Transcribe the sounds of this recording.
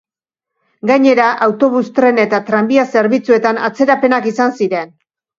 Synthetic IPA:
ɡaɲe̞ɾaʔawt̪o̞β̞ust̪ɾe̞ne̞t̪at̪ɾambiase̞ɾβit͡sue̞t̪ana̰t͡se̞ɾape̞nakisansiɾe̞n

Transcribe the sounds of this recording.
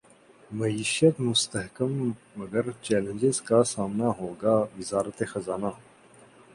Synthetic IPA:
mɐiːʃət̪mʊst̪ɐɦkəmː | ɐɡəɾt͡ʃɛːlə̃nd͡ʒɪzkasaːmnaɦoːɡaʋɪzaːɾət̪exɐzaːna

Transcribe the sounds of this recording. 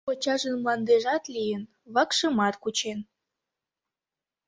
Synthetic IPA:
ot͡ɕɑʒənmlɑnd̪eʒɑt̪lijən | βɑkʃəmɑt̪kut͡ɕen

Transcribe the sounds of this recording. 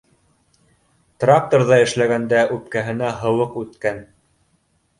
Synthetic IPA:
t̪rak̚t̪orðɑɘ̆ʃlæɡænd̪æʔʉp̚kæɦɘ̆næɦɤ̆wɤqʉt̪kæn

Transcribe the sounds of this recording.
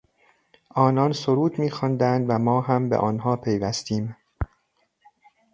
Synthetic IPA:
ʔɒːnɒːnsoɾuːd̪miːxɒːnd̪ænd̪væmɒːɦæmbḛʔɒːnhɒːpʰe̞jvæst̪iːm

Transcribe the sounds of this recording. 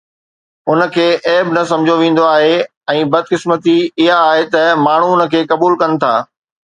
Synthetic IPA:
ʊnə̆kʰeːʔeːbɪnɐsɐ̃md͡ʑʱoʋẽːn̆d̪oaːɦe | ɛ̃ːbɐd̪̚ʱkɪsmət̪iɪɦaːɦet̪ɐmaːɳ̤uʊnə̆kʰeːkɐbuːlkɐnɪ̆t̪ʰaː

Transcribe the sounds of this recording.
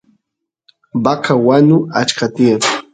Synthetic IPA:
bakʰawanʊat͡ʃkat̪iaɾ

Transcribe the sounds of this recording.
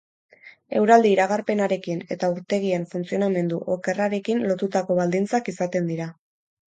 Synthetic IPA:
e̞wɾald̪iːɾaɣarpe̞naɾe̞kine̞t̪auɾt̪e̞ɣ̞ie̞ɱfunt͡sio̞name̞nd̪uʔoke̞raɾe̞kinlo̞t̪ut̪ako̞βald̪int͡sakisat̪e̞nd̪iɾa

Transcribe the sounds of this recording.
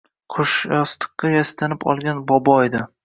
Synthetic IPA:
qʰʊʃjɒst̪ɨ̥qːɑjast̪ʰanɪpʰɒ̰lˠɡʲanbɒbɒed̪ɪ

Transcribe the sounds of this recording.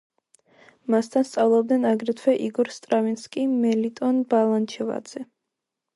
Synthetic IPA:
mast̪ʰanst̪sʼavlˠɔb̚d̪nɛnaɡɾɛt̪ʰwɛʔiɡɔɾst̪ʼɾavinskʼimɛlit̪ʼɔnbalˠant͡ʃʰɛva̰d̪z̥ɛ

